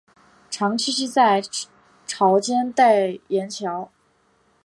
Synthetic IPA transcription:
ʈ͡ʂʰɑ˧˥ŋt͡ɕʰi˥ʂ̬ɻ̩˥˧t͡sa˥˩ɪ | ʈ͡ʂʰɑ˧˥ʊt͡ɕjɛ˥nt̪a˥˩ɪjɛ˧˥nt͡ɕʰjɑ˧˥ʊ

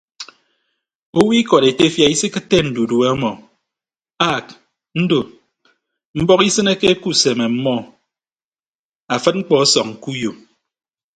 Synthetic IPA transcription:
o˦wi˦kɔ˨ɾe˨te˦fja˨i˦si˦kɨ˦tːe˦˨n̩˨du˨du˨e˦ɔ˦mɔ˨ | a˦˨k̚ | n̩˦do˨ | m̩˦bɔ˦ki˦sɨ˦ne˦ke˦e˦ku˦se˨me˨m̩˦mɔ˦ | a˨fɨ˦t̚ŋ͡m̩˦k͡pɔ˨ɔ˦sɔ˨kŋ̩˨ku˦jo˨

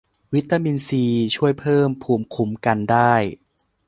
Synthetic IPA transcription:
wi˦˥t̪ːaː˧miː˧nsiː˧t͡ɕʰu˥˩əjpʰɤː˥˩mpʰuː˩mkʰu˨˦mka˧ndaː˥˩j

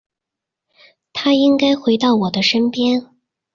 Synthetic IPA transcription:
t̪ʰa˥i˥ŋka˥ɪxwe˧˥ɪt̪ɑ˥˩ʊwɔ˨˩d̪ə˦ʂə˥npjɛ˥n

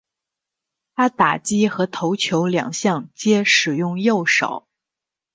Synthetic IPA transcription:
t̪ʰa˥t̪a˨˩t͡ɕi˥xɤ˧˥t̪ʰo˧˥ʊt͡ɕʰjo˧˥ʊljɑ̰˨˩ŋɕjɑ˥˩ŋt͡ɕjɛ˥ʂɻ̩˨˩jʊ˥˧ŋjo˥˩ʊʂɑ̰˨˩˦ʊ

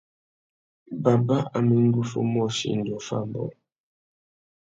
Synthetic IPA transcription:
ba˨ba˦a˨mi˦ŋ̩˦ɡu˦fo̰˦mɔ˦˨ʃḭ˦n̩˨dɔ˨fa̰˦˨mbɔ̰˨

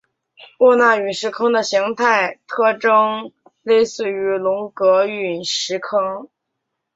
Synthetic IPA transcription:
wɔ˥˧na˥˩y˨˩ʂɻ̩˧˥kʰɤ˥ŋd̪ə˨ɕi˧˥ŋt̪ʰa˥˩ɪt̪ʰɤ˥ʈ͡ʂɤ˥ŋ | le˥˧ɪsɹ̩˥˩y˧˥lʊ˧˥ŋkɤ˧˥y˨˩nʂɻ̩˧˥kʰɤ˥ŋ

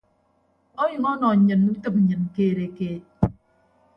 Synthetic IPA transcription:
o˦ju˨ŋɔ˦nɔ˨ɲɨ˨nːu˦t̪ə˦˨p̩̚˨ɲɨ˨n˨keː˨ɾe˨keː˨

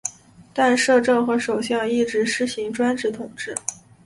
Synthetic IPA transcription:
t̪a˥˧nʂɤ˥˧ʈ͡ʂɤ˥˩ŋxɤ˧˥ʂo˨˩ʊɕjɑ˥˧ŋi˥˩ʈ͡ʂɻ̩˧˥ʂɻ̩˥ɕi˧˥ŋʈ͡ʂwa˥nʈ͡ʂɻ̩˥˩t̪ʰʊ˨˩ŋʈ͡ʂɻ̩˥˩

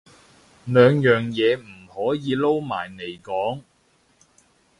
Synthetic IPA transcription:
lœː˨˧ŋjœː˨ŋjɛː˨˧m̩˨˩hɔː˨˥jiː˧lo˥wma̰ː˨˩jne˨˩jkɔː˨˥ŋ

